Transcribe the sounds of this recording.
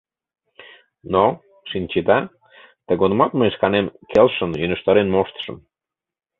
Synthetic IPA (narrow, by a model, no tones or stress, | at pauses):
no | ʃinʲt͡ɕed̪ɑ | t̪əɣonəmɑt̪məjʃkɑnemkelʃənynəʃt̪ɑɾenmoʃt̪ə̥ʃə̰̆m